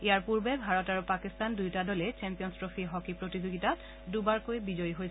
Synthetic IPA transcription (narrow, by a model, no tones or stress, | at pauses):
ijaɹpuɹbɛbʱaɹɔtaɹupakistandujtadɔlɛt͡ʃɛmpijɔnstɹofʰiɦɔkipɹotizoɡita | dubaɹkojbizɔjɦoj